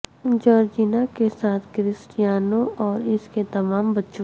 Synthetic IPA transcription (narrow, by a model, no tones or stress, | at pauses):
d͡ʒɔːɾd͡ʒiːnakesaːt̪ʰkɾɪsʈijaːnõʔɔːɾɪsket̪ɐmaːmbɐtːʃõ